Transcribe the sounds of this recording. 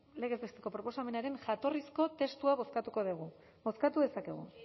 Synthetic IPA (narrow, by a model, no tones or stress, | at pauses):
le̞ɣe̞zβe̞st̪e̞ko̞pɾopo̞same̞naɾe̞nʝat̪o̞risko̞t̪e̞st̪uaβo̞skat̪uko̞ðiɣ̞u | bo̞skat̪uðe̞sake̞̰ɣ̞ṵ